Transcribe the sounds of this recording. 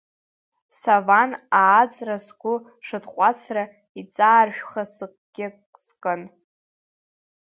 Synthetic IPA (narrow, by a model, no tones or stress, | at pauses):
savanaːt͡sʼrasɡʷʊ | ʂɨdqʷʼat͡sʰra | it͡sʼaːrʃᶣχasɨkʼɡ̥ʲɪk | zkʼən